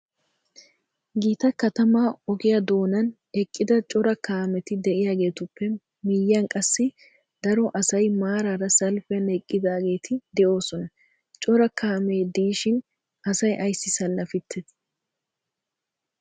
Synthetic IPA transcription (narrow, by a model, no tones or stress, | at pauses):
ɡiːt̪ɐkɐt̪ɐmaːɔɡɪjɐd̪o̞ːnɐn | ɛkʼːɪd̪ɐt͡ʃʼɔɾɐkaːmɛt̪ɪd̪ɛʔɪjaːɡe̞ːt̪ʊpːɛ | mɪjːɐnkʼɐsːɪ | d̪ɐɾɔʔɐsɐjmaːɾaɾɐsɐlfɛɐnɛkʼːɪd̪aːɡe̞ːt̪ʰɪd̪ɛʔo̞ːsɔnɐ | t͡ʃʼɔɾɐkʰaːmeːd̪iːʃɪn | ɐsɐjʔɐjsːɪsɐlːɐfɪt̪ʰːɛs